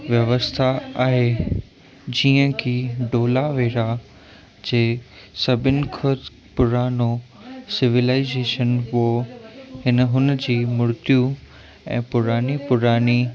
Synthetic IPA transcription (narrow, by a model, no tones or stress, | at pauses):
ʋjɐʋəst̪ʰaaːɦeː | d͡ʑiːə̃kʰiːɖoːlaʋeːɾa | d͡ʑeːsɐbʱɪnɪ̆kʰʊd̪ | pʊɾaːnosɪʋɪlaːɪzeːʃənohɪnəɦʊnd͡ʑiːmʊɾt̪iju | ɛ̰̃ːpʊɾaːnipʊɾaːni